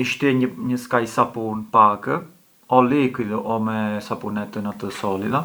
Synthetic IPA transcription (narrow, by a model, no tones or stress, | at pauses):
iʃt̪iɛɲəɲəskajsapunpakə | ɔlikiðɔʔɔmɛsapunɛt̪ənat̪əsɔliða